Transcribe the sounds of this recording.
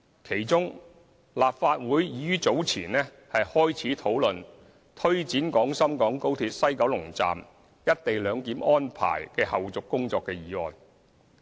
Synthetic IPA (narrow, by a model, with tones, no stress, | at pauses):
kʰe˨˩jt͡sʊ˥ŋ | laː˨p̚faː˧t̚wuː˨˥jjiː˨˥ɥyː˥t͡so˨˥wt͡sʰḭː˨˩nlɛː˥ | hɐ˨jhɔː˥jt͡sʰiː˨˥t̪ʰo˨˥wlɵ˨n | t̪ʰɵ˥ɥt͡siː˨˥nkɔː˨˥ŋsɐ˥mkɔː˨˥ŋko˥wt̪ʰiː˧t̚sɐ˥jkɐ˨˥wlʊ˨˩ŋt͡sa̰ː˨m | jɐ˥t̚t̪e˨jlœː˨˧ŋkiː˨˥mɔː˥npʰa̰ː˨˩jkɛː˧hɐ˨wt͡sʊ˨kːʊ˥ŋt͡sɔː˧kːɛː˧jiː˨˥ɔː˨n